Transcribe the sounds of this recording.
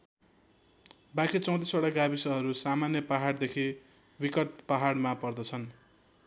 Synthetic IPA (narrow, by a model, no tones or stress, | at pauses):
bakʰit͡sʌ̃w̃t̪̬iswaɽaɡabisʌɦʌɾusamanjʌpaɦaɽd̪ekʰi | bikʌʈ̪̚paɦaɽmapʌrd̪ʌt͡sʰʌn